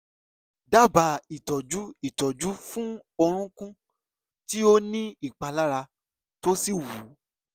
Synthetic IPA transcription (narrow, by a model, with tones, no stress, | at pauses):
da˦˨ba˨˧i˨tɔ˨d͡ʒu˦i˦˨tɔ˨d͡ʒu˨˦fũ˦ɔ˧ɾ̃ũ˦kũ˦ | ti˦o˦nĩ˦i˦˨k͡pa˧la˦ɾa˧ | to˦si˦˨wu˨˦